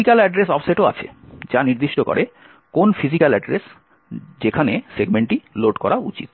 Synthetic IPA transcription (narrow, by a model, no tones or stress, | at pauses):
ikalɛɖɾesɔfʰseʈoa̰t͡ɕʰḛd͡ʑaniɾd̪iʃʈokɔ̰ɾʔe | konfizikalɛɖɾes | d͡ʑekʰaneseɡmeɳʈiloɖkɔɾaṵt͡ɕḭt̪